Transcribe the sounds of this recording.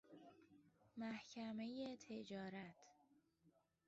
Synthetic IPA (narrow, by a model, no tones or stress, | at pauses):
mæhcʰæme̞jet̪ʰe̞d͡ʒɒːɾæt̪ʰ